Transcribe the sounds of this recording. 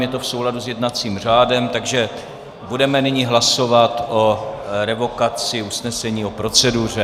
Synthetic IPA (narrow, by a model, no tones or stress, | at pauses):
mjɛt̪o̞fsowladuzjɛdnat͡siːmr̝aːdɛmt̪aɡʒɛ | budɛmɛnɪɲɪɦlaso̞vat̪ʔo̞ɾɛvo̞kat͡sɪusnɛsɛɲiːo̞pɾo̞t͡sɛdur̝ɛ